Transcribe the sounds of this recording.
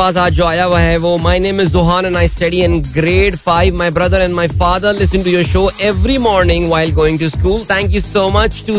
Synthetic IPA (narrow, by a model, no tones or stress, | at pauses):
aːz̬aːd͡ʒoːaːjaʋaɦeʋoːmaɪnẽːmɪzːʊɦaːnɛ̃naɪsʈɐɖiɛ̃nɡɾeːɖfaɪʋmaɪbɾɐd̪əɾɛ̃nɖmaɪfaːd̪əɾlɪsə̃nʈujoːɾʃoːʔɛʋɾimɔːɾnɪ̃ŋʋaɪlɡoːɪ̃ŋʈuskuːlt̪ʰɛ̃ŋk̬jusoːmɐt͡ʃʈu